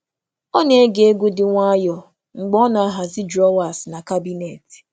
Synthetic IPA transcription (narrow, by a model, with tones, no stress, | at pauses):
ɔ˦ne˨˦ɡe˨e˦ɡʊ˦dɪ˨ŋʷa˦jɔ˨ | ŋ͡m̩˨ɡ͡bɔ˦nɔ˨a˦ɦa˨zɪ˦dɾɔ˦wa˨sna˨ka˦bi˦ne˨ti̥˨